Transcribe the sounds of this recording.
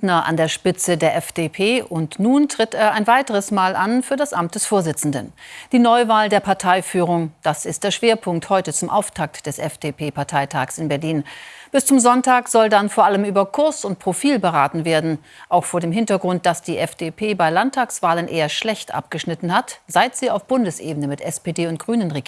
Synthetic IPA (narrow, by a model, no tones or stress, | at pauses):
nɐʔa̰ndeːɐʃpɪt͡sədeːɐʔɛfd̥epʰeːʔʊntnuːntʁ̥ɪteːɐaɪnvaɪtəʁ̞əsmaːlʔanfyːɐdasʔamt̚d̥ɛsfoːɐzɪt͡sn̩də̰nd̥iːnɔʏvaːldeːɐpʰaɐtʰaɪfyːʁ̞ʊŋd̥asɪstd̥eːɐʃv̥eːɐpʰʊŋk̚thɔʏtət͡sʊmʔa̰ʊftʰak̚td̥ɛsʔɛfd̥eːpʰeːpʰaɐtʰaɪtʰa̰ːksɪnbɛɐliːnb̥ɪst͡sʊmzɔntaːkz̥ɔldanfoːɐʔaləmyːbɐkʰʊɐsʊnt̚pʁ̥ofiːlbəʁa̰ːtn̩veːɐdn̩ | ʔaʊxfoːɐdeːmɦɪntɐɡʁʊnt̚d̥asd̥iːʔɛfd̥epʰeːbaɪlantʰːaːksv̥aːlənʔeːɐʃlɛçtʔa̰p̚ɡ̥əʃnɪtn̩hatz̥aɪtz̥iːaʊfb̥ʊndəsʔḛːbənəmɪtʔɛspeːdeːʊnt̚ɡ̥ʁyːnənʁeɡ